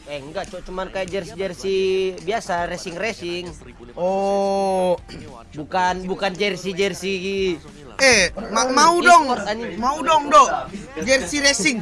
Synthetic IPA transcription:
ɛŋɡaʔt͡ʃɔt͡ʃumankajad͡ʒɛrsid͡ʒɛrsibiasarɛsiŋrɛsiŋ | ɔ | bukanbukand͡ʒɛrsid͡ʒɛrsii | ɛmamaudɔŋɔrt̪aɲimaudɔŋdɔd͡ʒɛrsiɾɛsiŋ

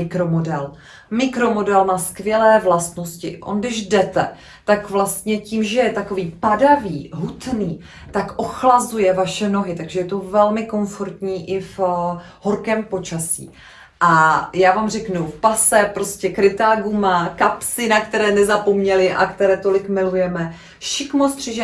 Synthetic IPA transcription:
ɪkɾomodɛl | mɪkɾo̞mo̞dɛlnaskvjɛlɛːvlast̪noscɪʔo̰nɡdɪʒdɛt̪ɛ | t̪akvlast̪ɲɛciːmʒɛjɛt̪ako̞viːpadaviːɦut̪niː | t̪akʔo̞xlazujɛvaʃɛno̞ɦɪt̪aɡʒɛjɛt̪o̞vɛlmɪko̞nfo̞ɾt̪ɲiːʔɪf | hoɾkɛːmpo̞t͡ʃasḭː | ʔajaːvaːmr̝ɛknufpasɛpɾo̞scɛkɾɪt̪aːɡumakapsɪnakt̪ɛɾɛːnɛzapo̞mɲɛlɪʔa̰kt̪ɛɾɛːt̪o̞lɪkmɪlujɛmɛ | ʃɪkmost̪r̥ɪʒɛ

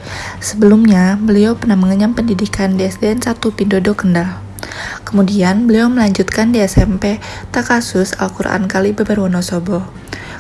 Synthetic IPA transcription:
səbəlumɲabəliopərnahməŋəɲampəndidikandeɛsdeɛnsat̪upindodɔkəndal | kəmudianbəliɔməlaɲd͡ʒut̪̚kandeɛsɛmpɛt̪akasʊsa̰lkuɾa̰ʔa̰nkalibəbərwɔnɔsɔbɔ

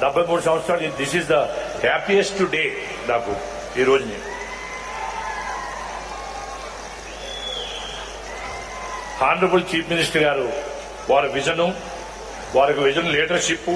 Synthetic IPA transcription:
d̪ɐbʱːɐjmuːɽusɐ̃mst̪ʰaːlid̪isizd̪ɐhæːpiesʈʈuɖeː | naːku | iːɾoːd͡ʒunḭ | haːndɾɐbult͡ʃiːpminisʈɐɾɡaːɾu | ʋaːɾuʋid͡ʒɐnu | ʋaːɾɐkuʋid͡ʒɐnliːʈɐɾʃip

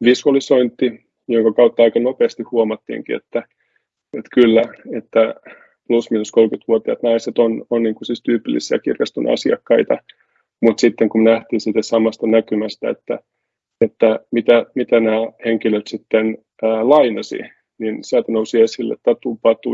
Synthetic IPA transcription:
ʋisuɑlisoint̪ːi | joŋkɑkɑut̪ːɑɑikɑnopeːst̪ihuomɑt̪ːḭːŋkḭḛt̪ːæ | et̪kylːæet̪ːæ | plusminuskolkyt̪ʋuot̪iɑt̪nɑiset̪ononniːŋkusist̪yːpilːḭsiɑ̰kirkɑst̪unɑ̰siɑ̰kːɑit̪ɑ | mut̪sit̪ːeŋkumnæht̪iːnsiːt̪æsɑmɑst̪ɑnækymæst̪æḛt̪ːæ̰ | et̪ːæmit̪æmit̪ænæːheŋkiløt̪sit̪ːenː | lɑinɑsḭ | ninsiælt̪ænousiesilːḛt̪t̪ɑt̪uːpɑt̪ṵ

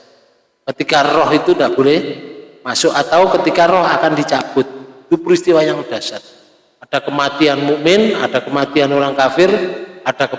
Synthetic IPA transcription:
kət̪ikarɔɦit̪undaʔb̥olɛhmasʊʔat̪awkət̪ikarɔhakandit͡ʃab̥ʊt̪̚it̪upɾist̪iwajaŋd̥a̤sat̪̚ | ad̥a̤kəmat̪ianmumɪna̰d̥a̤kəmat̪ianoɾaŋkafɪrad̥a̤kə

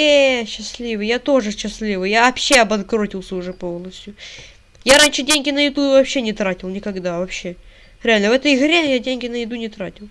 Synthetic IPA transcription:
eɕːɪsʲlʲivɨjat̪o̞ʐɨɕːɪsʲlʲivɨjjavɐpɕːe̞ɐbɐnkɾo̞tʲɪlˠsʲəʊʐɛpo̞lˠnəsʲtʲjʊ | jaɾanʲʂɨdʲenʲɡʲɪnəjɪd̪uvɐpɕːe̞nʲɪt̪ɾatʲɪlˠnʲɪkɐɡd̪avɐpɕːe̞ | ɾʲɪalʲnəvɛt̪əjɣɾʲejadʲenʲɡʲɪnəjɪd̪unʲɪt̪ɾatʲɪlˠ

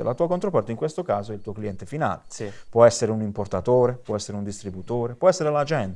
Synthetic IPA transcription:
elat̪uːakont̪ɾopɔrt̪aiŋkwest̪okaːzoilt̪uːokliɛnt̪efina̰ːlepwɔɛsːeɾeunimport̪at̪oːɾepwɔɛsːeɾeund̪ist̪ɾibut̪oːɾepwɔɛsːeɾelad͡ʒɛnt̪

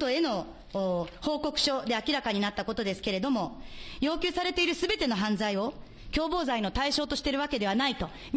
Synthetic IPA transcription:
oe̞no̞ː | ho̞ːko̞kɯ̟̥ɕo̞d̪e̞akʲiɾakaɲ̟inat̪ːako̞t̪o̞d̪e̞sɨ̥ke̞ɾe̞d̪o̞mo̞jo̞ːkʲɨːsaɾe̞t̪e̞iɾɯ̟sɨbe̞t̪e̞no̞ɦãnd͡zaio̞ | kʲo̞ːbo̞ːzaino̞t̪aiɕo̞ːt̪o̞ɕi̥t̪e̞ɾɯ̟βake̞d̪e̞βanait̪o̞

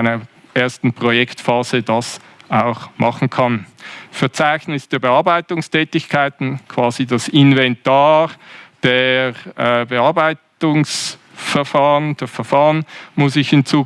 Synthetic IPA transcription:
ɪnɐ | ʔeːɐstn̩pʁ̥ojɛktfaːzədɑs | aʊxmɑχn̩kʰɑnfɛɐt͡saɪçnɪsd̥eːɐbəɑːɐbaɪtʊŋstʰɛːtɪçkʰaɪtn̩kʰv̥aːzidasɪnvɛntaːʁd̥eːɛbəɑɐbaɪtʊŋs | fɛɐfaːʁənd̥eːfɛɐfaːʁənmʊsɪçhɪnt͡suː

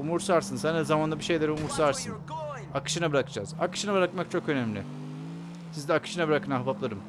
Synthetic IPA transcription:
umuɾsaɾsɯnsænd̪ɛzamand̪abiʃe̞jlʲɛɾumuɾsaɾsɯn | akɯ̥ʃɯnabɯɾakɯd͡ʒa̰ːzakɯ̥ʃɯnabɯɾakmak̚t͡ʃʰo̞kø̞næmlʲɪ̰ | sizd̪ɛakʰɯ̥ʃɯnabɯɾakʰɯnaɦabaplˠaɾɯm

